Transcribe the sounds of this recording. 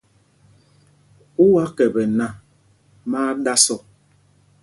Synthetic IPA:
u˦wa˦kɛ˨bɛ˨na˦˨ | maː˦da˦sɔ˦˨

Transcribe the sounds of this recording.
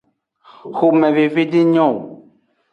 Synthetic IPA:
xo˨mɛ̃˨ve˨ve˦di˦ɲɔ̃˦˨

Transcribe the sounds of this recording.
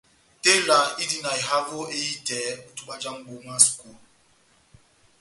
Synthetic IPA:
te˦la˨˦i˦di˦˨na˨i˨ɦa˦vo˦e˦i˦tɛ˨˦u˨tu˨ɓa˦d͡ʒa˦ŋ˨ɡ͡bo˨ma˦sku˨l

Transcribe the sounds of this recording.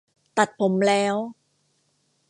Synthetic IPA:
t̪a˨˩t̪̚pʰo˩˦mlɛː˦˥w

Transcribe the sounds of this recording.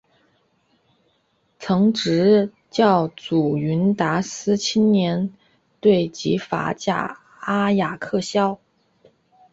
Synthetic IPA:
t͡sʰɤ˧˥ŋʈ͡ʂɻ̩˧˥ | t͡ɕjɑ˥˩ʊt͡su˨˩y˧˥nt̪a˧˥sɹ̩˥t͡ɕʰi˥nnjɛ˧˥n | t̪we˥˩ɪt͡ɕḭ˧˥fa̰˧˥t͡ɕja̰˥˩ | a˥ja˨˩kʰɤ˥˩ɕjɑ˥ʊ

